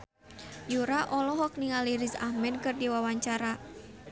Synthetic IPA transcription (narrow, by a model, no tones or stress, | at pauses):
juɾaʔɔlɔɦɔk̚niŋaliɾisa̰hmɛnkɨrdiwawaɲt͡ʃaɾa